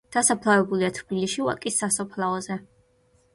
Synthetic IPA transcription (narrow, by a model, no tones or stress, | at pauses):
d̪̥asapʰlˠavɛbuliat̪ʰbiliʃiwa̰kʼisːasɔpʰlˠaɔzɛ